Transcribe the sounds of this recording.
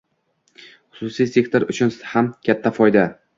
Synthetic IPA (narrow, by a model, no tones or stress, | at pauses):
χʊ̥sʊsijse̞kt̪ʰoɾʊt͡ʃʰʊnhamkʲʰat̪ʰːafɒjd̪a